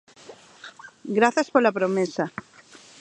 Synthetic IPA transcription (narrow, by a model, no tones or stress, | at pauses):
ɡɾaθɐspolapɾomesa